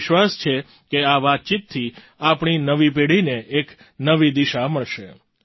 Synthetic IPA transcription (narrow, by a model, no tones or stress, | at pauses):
ʃʋast͡ʃʰe | keaʋat̪̚t͡ʃit̪ʰːi | apɳinəʋip̬eɽ̤ineʔek | nəʋid̪iʃaməɭʃe